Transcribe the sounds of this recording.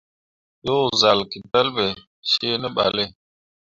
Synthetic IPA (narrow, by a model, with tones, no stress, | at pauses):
jo˦za˨lki˨d̪ɐ˦lbe˨ | ɕeː˦nə˦ɓa̰˨le˦